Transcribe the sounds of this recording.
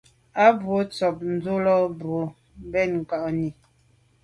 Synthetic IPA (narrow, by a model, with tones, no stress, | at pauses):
a˦bwo˨˦t͡sɔ˨p̚n̩˨˦d͡zo˦lɔ˦bo˨˦ | bɛ˦˨nŋ̩˨ka˨ʔni˨